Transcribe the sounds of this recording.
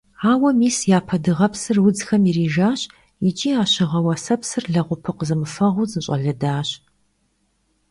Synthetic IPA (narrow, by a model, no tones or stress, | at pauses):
aːwɐmiːsjaːpʰɐdɨʁɐpsɨrwʊd͡zxɐmiriːʒaːɕ | ɪt͡ʃʼiːaːɕɪʁɐwɐsɐpsɨrɮɐʁʷʊpʰɨqəzɨmɨfɐʁʊzɨɕʼɐ̰ɮɐdaːɕ